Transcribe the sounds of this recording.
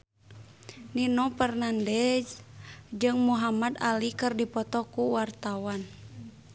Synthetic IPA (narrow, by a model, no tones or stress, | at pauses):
ninɔpɛrnandɛsd͡ʒɨŋmuɦamad̪alikɨrdipɔt̪ɔkuwart̪awan